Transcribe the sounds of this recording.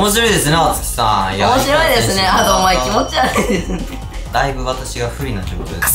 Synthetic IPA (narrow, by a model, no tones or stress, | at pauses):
omo̞ɕiɾo̞id̪e̞sɨneβat͡sɨ̥kʲi̥sãjomoɕiɾo̞id̪e̞sɨne̞at̪oːmaekʲimot͡ɕiaɾɯid̪esɨne | d̪aibɯ̟βat̪aɕiɡaɸɯ̟ɾʲinatokot̪od̪es